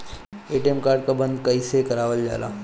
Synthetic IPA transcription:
eːʈiemkaːɾɖ̚kabɐ̃nd̪kɐisekɐɾaːʋəld͡ʒa̰ːla̰ː

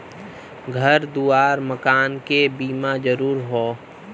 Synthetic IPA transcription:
ɡʱəɾd̪uːaːɾməkaːnkebiːmãd͡ʒəɾuːɾɦoː

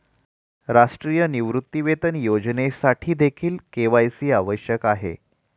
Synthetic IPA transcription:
ɾaʂʈɾijəniʋɾut̪ːiʋet̪ənjod͡ʑnesaʈʰiːd̪ekʰiːlkeʋajsiːaʋəɕjəkaɦḛ

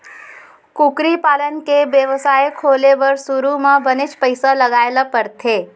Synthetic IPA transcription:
kukɾipaːlənkebjəʋəsaːjkʰoːleʋəɾsʊɾumãbənɪt͡ʃpəɪsalɐɡaːelapɐɾt̪ʰeː

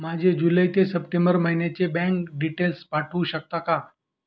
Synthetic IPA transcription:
mad͡ʑʱed͡ʑuləjt̪esəpʈẽmbəɾməɦinjat͡ɕebɛ̃ŋkɖiʈelspaʈʰʋũɕək̚t̪aka

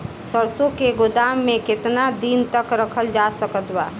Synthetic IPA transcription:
səɾsõkeɡʊd̪aːmːẽkɪt̪nad̪iːnt̪əkɾəkʰəld͡ʒaːsəkət̪baː

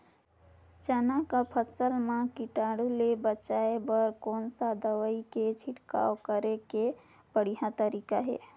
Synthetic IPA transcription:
t͡ʃənakapʰəsəlmãkiʈaːɽulebət͡ʃaebəɾkoːnsad̪əwəiket͡ʃʰɪʈka̰ːokəɾeke | bəɽ̤iɦãt̪əɾikaɦɛ̰ː

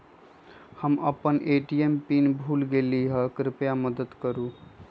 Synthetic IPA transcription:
həməpənʔeʈiempinbʱulɡeliɦəkɾɪpjaməd̪əd̪kəɾu

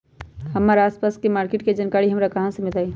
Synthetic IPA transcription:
həmːaːɾaːspaːskemaːɾkeʈked͡ʒənkaːɽiɦəmɾakɐɦãsəmɪt̪ai

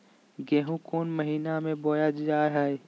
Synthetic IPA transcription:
ɡɛːɦũkoːnməɦiːnamẽbɔːjad͡ʒd͡ʒaːɾɦɛe

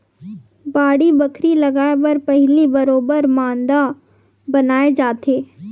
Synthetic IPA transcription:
baːɽibɐkʰɾilɐɡaːebɐɾpɛɦlibɐɾoːbəɾmãːnd̪a | bɐnaːed͡ʒaːt̪ʰeː

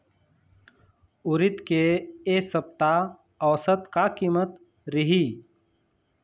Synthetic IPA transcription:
ʊɾɪt̪keesəp̚t̪a | ɔːsət̪kakiːmət̪ | ɾɪɦi

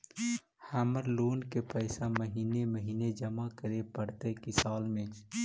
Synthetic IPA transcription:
həməɾloːnkepəɪsaməɦineməɦined͡ʒəmakəɾepəɽt̪əkisaːlmet͡ʃʰ

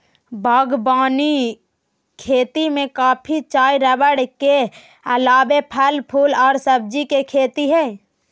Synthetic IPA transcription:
bʱaːɡbaːni | kʰeːt̪imẽkaːpʰit͡ʃaːiɾəbəɽke | əlaːbepʰəlpʰuːlɔːɾsəb̚d͡ʒikekʰeːt̪iɦɛː

